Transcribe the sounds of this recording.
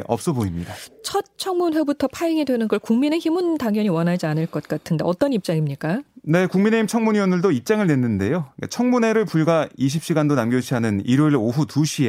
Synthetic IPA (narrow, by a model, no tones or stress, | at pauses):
ʔʌp̚s͈ʌboimɲidat͡ɕʰʌt̚t͡ɕʰʌŋmunɦebutʰʌpʰaeŋidwe̞nɯnɡʌɭkuŋmine̞çimɯntaŋjʌɲiwʌnɦad͡ʑianɯɭk͈ʌt̚k͈atʰɯndeʌt͈ʌnip̚t͡ɕ͈aŋimɲik͈ane̞kuŋmine̞imt͡ɕʰʌŋmuniʌnɯɭdoip̚t͡ɕ͈aŋɯɭne̞nːɯnde̞jokat͡ɕʰʌŋmunɦe̞ɾɯɭpuɭɡaiɕ̬ʰip̚ɕ͈iɡandonamɡjoɕʰiɦanɯniɾoiɾoɦutuɕʰie